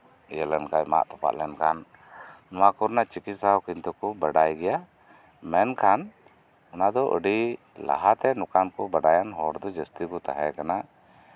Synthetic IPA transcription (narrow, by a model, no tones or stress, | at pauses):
əjəlɛnkajma̰ʔt̪ɔ̥pa̰ʔ̪lɛnkʰanː | ɔwakuɾnat͡ʃikit̪̚sawkint̪ukɔbaɖajɡɛja | mɛnkʰan | ɔnad̪ɔʔə̰ɖi | la̰ɦat̪ɛnɔkankɔbəɖajanɦɔɾd̪ɔd͡ʒəst̪ibut̪a̰ɦɛkana